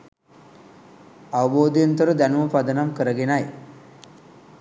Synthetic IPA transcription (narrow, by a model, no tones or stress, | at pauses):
aʋəboːd̪ijent̪əɾəd̪ænuməpad̪ənamkəɾəɡenaj